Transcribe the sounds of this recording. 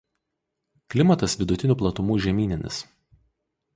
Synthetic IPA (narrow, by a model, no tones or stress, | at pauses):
klʲɪmɐt̪ɐsʋʲɪd̪ʊt̪ʲɪnʲuːˑplˠɐt̪ʊmuːʒʲɛmʲiːnʲɪnʲɪ̰s